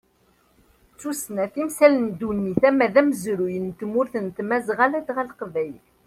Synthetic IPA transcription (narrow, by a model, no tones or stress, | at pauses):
t͡sːusnæθimsælənd̪unːiθæmːæðæmzɾujənt̪mʊɾθənt̪mæzʁalæd̪ʁælqvæj